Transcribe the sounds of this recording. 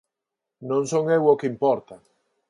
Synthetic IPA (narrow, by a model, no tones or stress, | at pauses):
nõŋsoŋewokeimpɔɾt̪a